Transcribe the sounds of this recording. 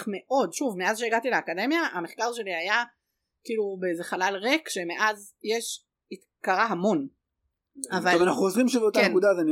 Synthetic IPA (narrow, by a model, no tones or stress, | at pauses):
me̞ʔo̞dʃuvmeazʃ̬eeɡat̪ileakade̞mjaameχkaʁʃe̞liaja | kiːlubeezeχalalʁekʃe̞meʔaz | jeʃ | it̪ | kaʁaɦamo̞n | avalmanaχuozʁimʃebeotaekud̪azen